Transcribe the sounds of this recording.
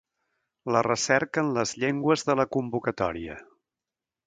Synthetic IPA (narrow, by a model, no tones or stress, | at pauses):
lərəsɛɾkəːnləzʎeŋɡwəzðələkumbukət̪ɔ̰ɾiə̰